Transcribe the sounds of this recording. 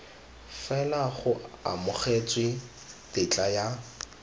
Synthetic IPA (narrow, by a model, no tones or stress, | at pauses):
fɛlaχʊa̰mʊχet͡sʼwɪ | tɪt͡ɬʼaja